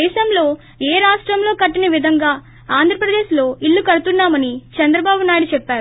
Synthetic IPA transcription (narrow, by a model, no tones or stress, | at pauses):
ɛːʃɐmlo̞ː | eːɾaːʂʈɾɐmlo̞ːkɐʈːinɐʋid̪ʱɐŋɡaː | aːnd̪ʱɾɐpɾɐd̪eːʃlo̞ːiɭːukɐɽut̪unːaːmɐnit͡ʃɐnd̪ɾɐbaːbunaːjiɽt͡ʃɛpːaːɾu